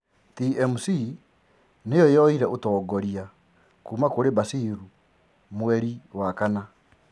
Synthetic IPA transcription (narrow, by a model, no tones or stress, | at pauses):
tiɛmusi | nejɔjɔiɾɛʔotɔːɡɔɾia | kumakoɾebasiɾu | mwɛɾiwakana